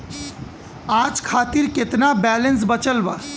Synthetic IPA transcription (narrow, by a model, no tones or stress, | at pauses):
ãːd͡ʒkʰaːt̪iɾkɪt̪nabɛːlens̬bət͡ʃəlbaː